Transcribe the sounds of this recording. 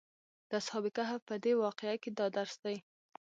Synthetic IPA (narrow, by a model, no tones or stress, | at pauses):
d̪̥əshɑbɪkaɦapəd̪ewɑqeaked̪ɑd̪aɾsd̪aj